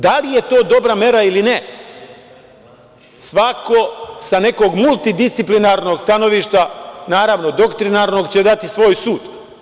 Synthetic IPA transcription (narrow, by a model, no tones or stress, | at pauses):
d̪alije̞t̪o̞ːd̪o̞bɾame̞ɾailine | sʋako̞sane̞ko̞ɡmulˠt̪id̪ist̪siplinaɾno̞ɡst̪ano̞ʋiːʃt̪anaːɾaʋno̞d̪o̞kt̪ɾinaɾno̞ɡt͡ɕed̪at̪isʋo̞ːjsuːd̪